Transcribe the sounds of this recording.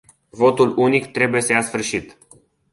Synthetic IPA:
vo̞t̪ulunikt̪ɾe̞buje̞səjasfɨrʃit̪

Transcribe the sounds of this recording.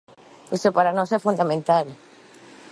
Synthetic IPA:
osepaɾanɔsɛfũnd̪amẽnt̪al

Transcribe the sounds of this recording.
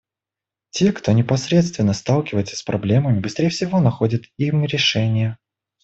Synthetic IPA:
tʲe̞kt̪o̞nʲɪpɐsɾʲe̞t̪st̪vʲɪnːəst̪ɑlˠkʲɪvəjɪt̪sə̥sʲpɾʔɐblʲe̞məmʲɪbɨst̪ɾʲejəfsʲɪvo̞nɐxo̞dʲɪt̪imɾʲɪʂɛnʲɪjə

